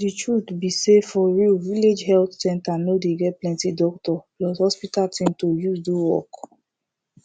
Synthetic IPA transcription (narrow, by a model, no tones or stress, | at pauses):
ditɹuθbisefɔɹiviled͡ʒɦɛltsɛ̃ntanodeɡɛt̚plɛ̃ntidɔktɔblɔshɔspitatĩmtojuzduwɔ̰k